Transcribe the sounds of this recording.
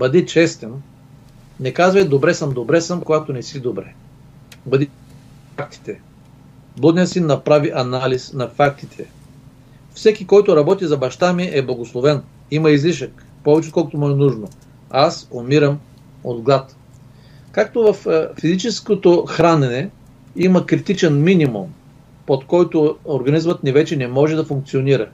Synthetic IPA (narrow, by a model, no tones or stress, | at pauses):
bɐd̪it͡ʃɛst̪ɛn | nɛkazvɐjd̪obɾɛsəmd̪obɾɛsəmkoɡat̪onɛsid̪obɾɛ | bɐd̪i | ak̚t̪i̥t̪ɛ | blˠɔd̪nijəsinːɐpɾaviʔɐnalisnɐfak̚t̪it̪ʰɛ | fsɛkʲikɔjt̪ʊɾɐbɔt̪izɐbɐʃt̪amiʔɛblˠɐɡoslˠovɛn | imɐizliʃək | pɔvɛt͡ʃɛot̪kɔlˠkʊt̪omuɛnuʒno | asomiɾəm | od̪ɡlˠat̪ | kak̚t̪ovɐfːizit͡ʃɛskot̪oxɾanɛnɛ | imɐkɾit̪it͡ʃɛnminʲimṵm | pot̪kɔjt̪ʊoɾɡɐnizmət̪nɛvɛt͡ʃɛnɛmɔʒɛd̪ɐfuŋk̪̚sioniɾə